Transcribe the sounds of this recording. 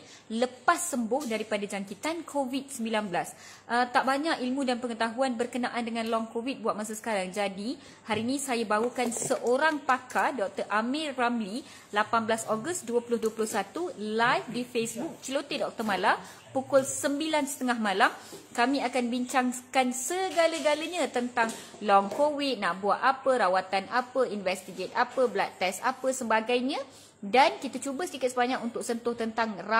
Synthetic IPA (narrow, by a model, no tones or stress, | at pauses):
ləpasːəmbʊhdaɾipadad͡ʒaŋkit̪ankʰovit̪̚səmbilanbəlas | ʔət̪aʔbaɲakilmũdanpəŋət̪aɦuanbərkənaʔandəŋãnlɔŋkovit̪̚buat̪̚mas̬asə̥kaɾaŋd͡ʒadi | haɾinĩsajabaukansəʔoɾaŋpakadɔk̚t̪ərʔameramli | lapanbəlasɔɡəst̪̚duəpulʊhduəpulʊhsat̪ulajfdifesbuk̚t͡ʃəlot̪edɔk̚t̪ərmala | pukʊlsəmbilansə̥t̪əŋahmãlamkamĩakanbiɲt͡ʃaŋkansəɡaləɡalaɲãt̪ənt̪aŋ | lɔŋkowit̪̚naʔbuaʔapəɾawat̪anʔapəinvɛst̪iɡet̪̚apəblat̪ːɛsapəsəmbaɡajɲã | dankit̪at͡ʃubəsədikit̪̚səbaɲak̚unt̪ʊk̚sənt̪ʊht̪ənt̪aŋra